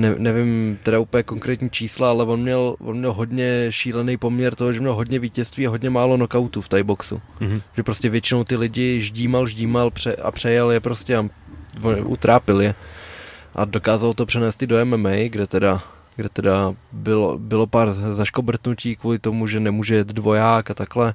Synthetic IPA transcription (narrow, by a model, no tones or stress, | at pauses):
nɛnɛvɪmt̪ɛdaupəljɛko̞ŋkɾɛːt̪ɲiːt͡ʃiːslaalɛvo̞nmɲɛlvonmɲɛlɦo̞dɲɛʃiːlɛnejpo̞mɲɛɾt̪o̞ɦoʒɛmɲɛlɦo̞dɲɛviːcɛst̪viːaɦodɲɛmaːlo̞nokawt̪uːft̪ajboksṵʒ̥ɛpɾoscɛvjɛt͡ʃɪnowt̪ɪlɪɟɪʒɟiːmalʒɟiːmalpr̝̥ɛʔa̰pr̥ɛjɛljɛpɾo̞scɛavonʔṵt̪ɾaːpɪljɛ | ʔa̰do̞kaːzalt̪opr̥ɛnɛːst̪ɪdoɛmɛmɛjɡdɛt̪ɛda | ɡdɛt̪ɛdabɪlo̰bɪlo̞paːɾzaʃkobr̩t̪nuciːkvuːlɪt̪o̞muʒɛnɛmuːʒɛjɛt̪dvo̞jaːkat̪aklɛ